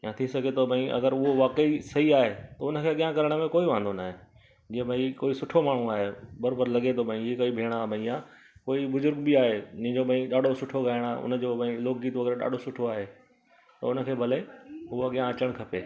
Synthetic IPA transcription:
jãt̪ʰĩsɐɡet̪ʰobʱɐ̃ĩʔɐ̰ɡəɾʊɦoʋaːkəisɐɦiaːɦet̪ɐʊnə̆kʰeːɐɠijãkɐɾəɽ̃mẽkoːiʋãːnd̪onaːɦe | d͡ʑiːə̃bʱaĩkoːisʊʈʰomaːɽ̤ũaːɦebɐɾoːbəɾlɐɡet̪ʰobʱɐ̃ĩɦikoːibʱeːɽ̃abʱɐ̃ĩjã | koːibʊzʊɾɡbiaːɦeʊnɪ̃d͡ʑobʱɐ̃ĩɗaːɖʱosʊʈʰoɡaːɪɽ̃aːʊ̰nə̆d͡ʑoːbə̃ĩloːkd͡ʑiːt̪ʋɐɡɾɗa̰ːɖʱosʊʈʰoaːɦe | t̪ɐ̰ʊnə̆kʰeːbʱɐleɦʊaɠijãɐt͡ɕəɽ̃kʰɐpeː

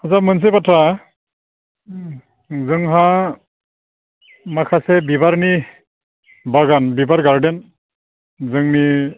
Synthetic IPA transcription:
azamɯns̬epatʰɾa | zɯŋɦa | makʰasebibaɾni | baɡanbibaɾɡaɾden | zɯŋni

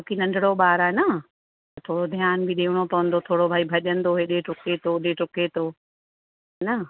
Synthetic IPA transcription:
okinɐ̃ɳɖʱɪɽoɓaːɾaːenɐə | t̪ɐt̪ʰoːɽod̪ʱijaːnbɪɗeːʋʊɽ̃opɐʋə̃nd̪ot̪ʰoːɽobʱaːibʱɐʄə̃nd̪oɦeɗeʈʊket̪ʰoːɗeʈʊket̪ʰoː | ɦɦɛnɐ

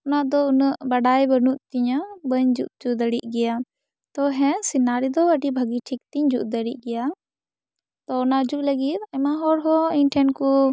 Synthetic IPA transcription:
ɔnaʔd̪ɔunəʔbaɖajbənuʔt̪iɲbəɲd͡ʒuʔ̚d͡ʒud̪əɽiʔ̚ˀɡɛja | t̪ɔɦɛ̃sinaɾid̪ɔbaʈibʱəɡiʈʰik̚t̪iɲd͡ʒuʔd̪əɽiʔ̚ɡɛja | t̪ɔɔnaʔd͡ʒuʔləɡit̪̚ɛmaɦɔɾɦɔiɲʈʰɛnku

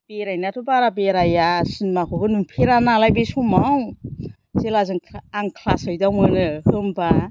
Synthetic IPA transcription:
b̥eɾajnatʰubaɾabeɾajasɯnmakʰobɯnuŋpʰeɾanalajbesumaw | selazɯŋʰaŋkʰlasɯjdamɯnɯhɯmba

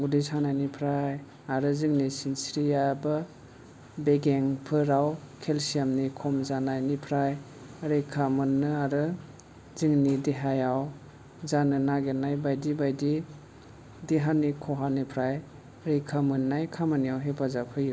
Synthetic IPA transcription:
ɡudisanajnipʰɾaj | aɾɯziŋnisinsɾijaba | beɡeŋpʰɯɾaw | kʰelsijamnikʰɔmzanajnipʰɾaj | aɾikʰamɯnːɯaɾɯ | ziŋnidiɦajaw | zanɯnaɡenajbajdibajdi | diɦanikʰɔɦanipʰɾaj | ɾikʰamɯnːajkʰamanijawɦepʰazapʰɯju

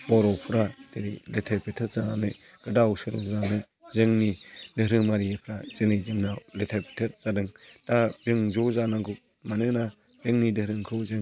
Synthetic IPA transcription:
b̥ɔɾɔpʰɯɾateɾiletʰeɾpʰetʰet̚zananɯ | ɡ̥ɯdawsɯɾɔ̰zɯɾanɯ | zɯŋnidɯɦɾɯŋmaɾiepʰɾazɯnijzɯŋnaletʰeɾpʰi̥tʰet̚z̥adɯŋd̥abɯŋzɔzanaɡɯk̚ | manɯna | beŋnidɯhɾɯŋkʰɯwzɯŋ

